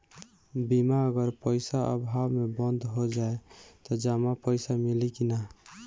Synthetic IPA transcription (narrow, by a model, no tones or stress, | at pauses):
bimaəɡəɾpəjsaʔə̰bʱaʋmebənd̪ʱɦod͡ʒaet̪ɔd͡ʒamapəɪsamilikina